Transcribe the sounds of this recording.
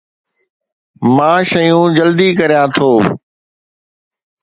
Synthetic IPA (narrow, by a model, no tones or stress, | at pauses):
mãːʃɐjũːd͡ʑɐld̪ikɐɾijãt̪ʰoː